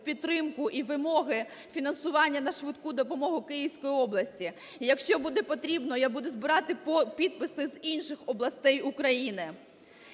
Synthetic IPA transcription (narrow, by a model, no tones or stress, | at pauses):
pʲit̪ːɾɪmkʊʔiʋɪmɔɦɪ | fʲinɐnsʊʋɑnʲːɐnɐʃʋɪt̪kud̪ɔpɔmɔɦʊkɪjiwsʲkɔjiɔblˠɐsʲtʲi | ijɐkʃt͡ʃɔbud̪ɛpɔt̪ɾʲibnɔjabud̪ɛzbɪɾɑt̪ɪpʲid̪̚pɪsɪzinʃɪxɔblˠɐst̪ɛjʊkɾɐjinɪ